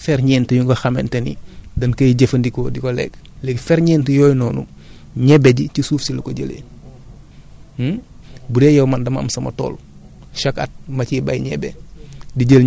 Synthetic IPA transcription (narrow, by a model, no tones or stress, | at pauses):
fɛɾɲɛːntɐjuŋɡɐxɐmɛ̰ntenḭdɐnkɐjɟefɐndikɔdikolɛ̰ːk | lɛɡfɛːɾɲɛːntɛjɔːjnɔːnṵ | ɲɛbeɟicisuːfsilɐkoɟəlḛːn | budɛjɐwmandɐma̰msɐmɐ̰to̰ːl | ʃakɐ̰t̚mɐciba̰jɲɛbediɟəl